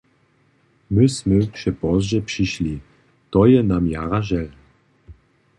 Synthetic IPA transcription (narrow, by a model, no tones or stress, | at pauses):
mɨsmɨʃɛpɔzʒɛpʂiɕli | t̪ɔjɛnamjaɾaʒɛl